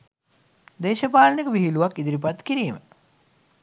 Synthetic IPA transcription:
d̪eːʃɐpaːlɐnikəʋiɦiluʋakːid̪iɾipat̪kiɾiːmə

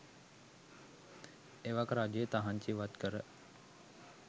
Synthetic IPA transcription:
eʋakɾaːd͡ʒəjət̪aɦaɲt͡ʃiʋat̪kəɾə

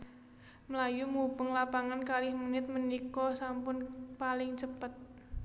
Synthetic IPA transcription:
məlajumubəŋlapaŋankalɪhmunɪt̪̚mənikɔsampʊnpalɪŋt͡ʃəpət̪̚

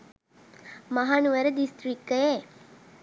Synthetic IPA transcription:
maɦɐnuʋæɾəd̪ist̪ɾikːəje

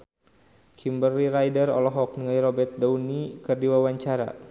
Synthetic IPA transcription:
kʰimbərːiɾajdərɔ̰lɔɦɔk̚nəŋaiɾɔbɛrt̪̚daunikɨrdiwawaɲt͡ʃaɾa̰

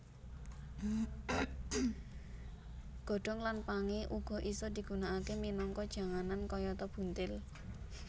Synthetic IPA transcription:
ɡ̥ɔ̤ɖ̥ɔ̤ŋlanpaŋeʔuɡ̥ɔ̤ʔisɔd̪̥i̤ɡ̥ṳnaʔakeminɔŋkɔd̥ʒ̥a̤ŋanankɔjɔt̪ɔb̥ṳnt̪ɪl

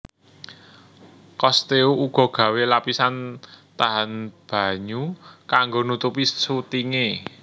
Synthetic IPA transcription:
kɔst̪euʔuɡ̥ɔ̤ɡ̥ä̤welapisant̪aɦanb̥a̤ɲukaŋɡonut̪upisut̪iŋe

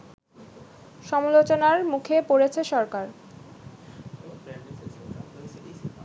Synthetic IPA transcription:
ʃɔmolot͡ɕonaɾmukʰepoɾet͡ɕʰeʃɔɾkaɾ

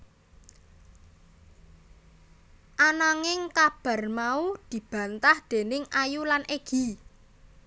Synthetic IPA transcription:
ʔanaŋɪŋkab̥a̤rmaud̪̥i̤b̥ä̤nt̪ahd̪̥e̤nɪŋʔajulanʔeɡ̥i̤

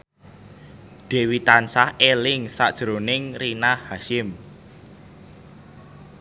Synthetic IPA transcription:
d̪̥e̤wit̪ansahelɪŋsad̥ʒ̥ɾonɪŋrinahhaʃɪm

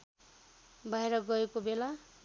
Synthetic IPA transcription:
bʱʌeɾʌɡʌekobela

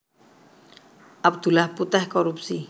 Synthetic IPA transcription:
ap̚t̪ulahput̪ahkɔɾup̚si

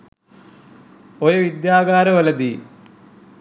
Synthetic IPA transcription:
ojɐʋid̪jaːɡaːɾɐʋɐlɐd̪i

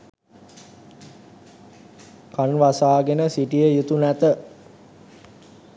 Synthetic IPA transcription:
kanʋasaːɡenəsiʈijəjut̪unæt̪ə

